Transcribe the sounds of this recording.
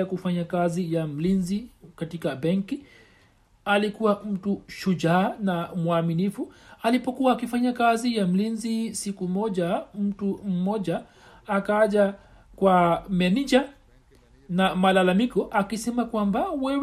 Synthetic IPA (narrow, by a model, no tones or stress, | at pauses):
akufaɲakazijam̩linzikatikabɛŋki | alikuwam̩tuʃud͡ʒaːnamwaminifualipɔkuwaːkifaɲakazijam̩linzisikumɔʄam̩tum̩mɔʄaː | kaʄa | kwamɛnid͡ʒa | namalalamikɔʔakisɛmakwambawɛw